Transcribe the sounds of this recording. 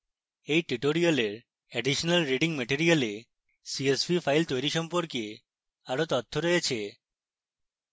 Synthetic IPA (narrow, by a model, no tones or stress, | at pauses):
ejʈiʈoɾioleɾ | ɛɖiʃonalɾiɖiŋmeʈiɾiale | siesbʱifajlt̪ojɾiʃɔmpoɾkie | aɾot̪ɔt̪ʰːoɾɔjet͡ɕʰe